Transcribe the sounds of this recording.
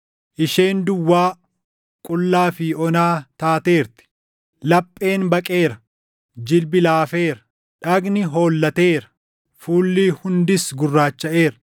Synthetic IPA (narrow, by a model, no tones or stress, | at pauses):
ʔɪʃeːnd̪ʊwːaː | kʼʊlːaːfiːɔnaːt̪aːt̪e̞ːɾt̪ɪ̥ | lɐpʼːe̞ːnbɐkʼe̞ːɾɐ | d͡ʒɪlbɪlaːfeːɾɐ | ᶑɐɡnɪɦo̞ːlːɐt̪e̞ːɾɐ̥ | fuːlːiːhʊnd̪ɪsɡʊrːaːt͡ʃːɐʔe̞ːɾɐ̥